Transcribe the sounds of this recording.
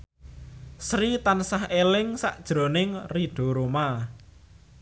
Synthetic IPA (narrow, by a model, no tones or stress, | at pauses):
sɾit̪ansahelɪŋsa̰ʔd̥ʒ̥ɾo̤nɪŋriɖ̥o̤ɾoma